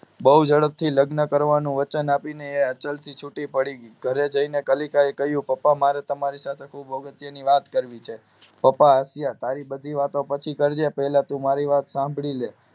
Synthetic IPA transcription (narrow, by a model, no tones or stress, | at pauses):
bəɦud͡ʒəɽəp̚t̪ʰiləɡnəkəɾʋanũʋət͡ʃənapineeət͡ʃəlt̪ʰit͡ʃʰuʈipəɽiɡ̥ʱəɾed͡ʒəinekəlikaekəɦjũpəpːamaɾet̪əmaɾisat̪ʰekʰubəɡət̪jəniʋat̪kəɾʋit͡ʃʰe | pəpaːsjat̪aɾibəd̪ʱiʋat̪opət͡ʃʰikəɾd͡ʒepəɦlat̪ũmaɾiʋat̪sãmbʱɭile